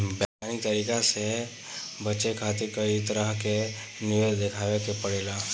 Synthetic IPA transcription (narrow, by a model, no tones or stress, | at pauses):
bɛanit̪əɾikase | bət͡ʃekʰat̪ekəit̪əɾəɦke | nɪʋed̪ekʰaːʋekepəɽela